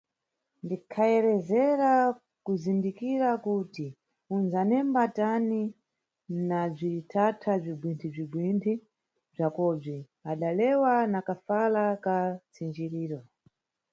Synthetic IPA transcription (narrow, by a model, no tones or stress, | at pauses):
ndikʰaɛɾɛzɛɾa | kuzindikiɾakuti | unzanɛmbatani | nab͡ʐiɾitʰatʰab͡ʐibwintʰib͡ʐibwintʰi | b͡ʐakɔb͡ʐi | aɗalɛwanakafalakat͡sind͡ʒiɾiːɾɔ